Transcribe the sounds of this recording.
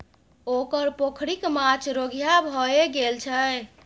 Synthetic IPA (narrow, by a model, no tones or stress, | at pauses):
okəɾpokʰɽikmat͡ʃʰɾoɡʱjabʱɔeɡelt͡ʃʰə